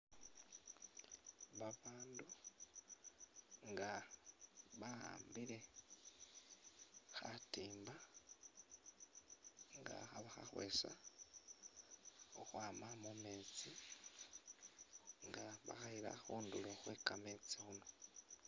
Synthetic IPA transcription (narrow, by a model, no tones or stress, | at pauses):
βaβaːndu | ŋɡa | βaa̰ːmbiɾe̞ | xatiːmba | ŋɡa̰aβaxa̰xwḛsa̰ | oxwaːmamumeːt͡si | ŋɡaβa̰xaiɾa̰xuːnduloxwekameːt͡sixuno̞